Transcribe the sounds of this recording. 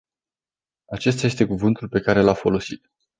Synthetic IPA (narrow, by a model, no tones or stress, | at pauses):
at͡ʃe̞st̪aje̞st̪e̞kuvɨnt̪ulpe̞kaɾe̞lafo̞lo̞sit̪